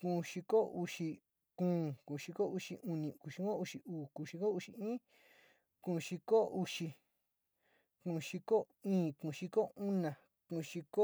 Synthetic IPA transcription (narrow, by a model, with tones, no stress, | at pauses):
kũ˧˨ʃi˧ko˦u˧ʂi˧ | kũː˦˧˦kũ˨˧ʃi˧ko˦u˧ʂi˧ʔu˧nĩ˧ku˨ʃi˧ko˦u˧ʂi˧ʔuː˨kũ˧˨ʃi˧ko˦u˧ʂi˧ĩː˦ | kũ˧˨˧ʃi˧ko˦u˧ʂi˧ | kũ˧˨ʃi˧ko˦ | ĩː˦kũ˧˨˧ʃi˧ko˦u˦nã˨ | kũ˧˨ʃi˧ko˦